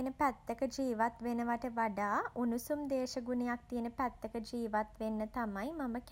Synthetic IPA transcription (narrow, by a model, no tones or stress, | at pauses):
nəpæt̪ːəkəd͡ʒiːʋat̪ʋenəʋaʈəʋaɖaːʔunusumd̪eːʃəɡunejak̚t̪ijənəpæt̪ːəkəd͡ʒiːʋat̪ʋenːət̪amajmamək